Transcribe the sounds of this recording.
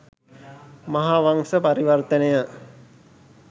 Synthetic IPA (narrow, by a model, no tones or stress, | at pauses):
maɦaʋaŋsəpaɾiʋərt̪ənəjə